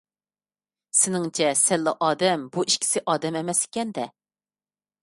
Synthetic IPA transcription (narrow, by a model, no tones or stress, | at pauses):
sɪnɪŋt͡ʃʰɛsɛlːɨʔɑːd̪ɛmbuiʃkʲʰi̥sɪʔɑːd̪ɛmemɛsɪ̥kʲɛnd̪ɛ